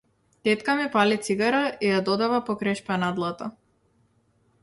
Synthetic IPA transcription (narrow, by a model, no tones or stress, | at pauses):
t̪ɛt̪kamipalit̪siɡaɾaijad̪ɔd̪avapɔkɾajʃpanad̪lˠat̪a